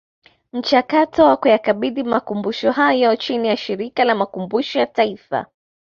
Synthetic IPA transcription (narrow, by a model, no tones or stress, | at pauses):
m̩t͡ʃakatɔwakujakaɓiɗimakumbuʃɔhajɔt͡ʃinijaʃiɾikalamakumbuʃɔjataifa̰